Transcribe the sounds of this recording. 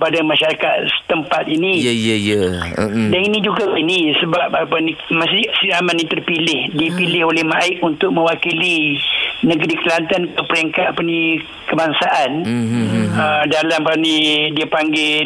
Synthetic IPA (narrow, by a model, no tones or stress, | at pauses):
padamãʃaɾakat̪̚sə̥t̪əmpat̪̚inijjəjədaninĩd͡ʒuɡainisəbap̚apənĩmasisiamanːĩt̪ərpilɪhdipilɪɦolɛhmaɪk̚unt̪ʊk̚mə̃wakili | nəɡɾikəlant̪ankəpəɾeŋkat̪apənĩ | kəbaŋsaʔan | ədalamanĩdiəpaŋɡe